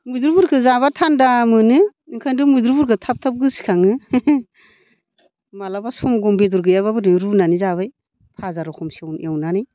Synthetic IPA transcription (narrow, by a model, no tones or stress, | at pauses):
mujdɾubuɾkʰɯzaβatʰandamɯnɯiŋkʰajndumujdɾubuɾkʰɯtʰap̚tʰap̚ɡɯsi̥kʰaŋɯ | malabasɔmɡɔmbedɔɾɡɯjaβabɯdɯɾunanizaβaj | pʰazaɾɔkʰɔmsiawnewnanaj